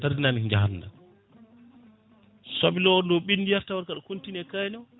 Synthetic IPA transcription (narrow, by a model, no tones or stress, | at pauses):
taɾdinanid͡ʒaɦanːda̰ | sabilɔɔndɔɓinːdijaɾtawaɾkaɗɔkuntinɛkajnɔ